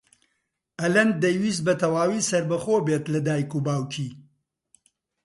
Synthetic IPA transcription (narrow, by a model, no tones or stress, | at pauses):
ɐlɐn̚d̪ɐjwiːs̚bɐt̪ɐwaːwiːsɐɾbɐxoːbeːt̪lɐd̪aːikubaːwkʰiː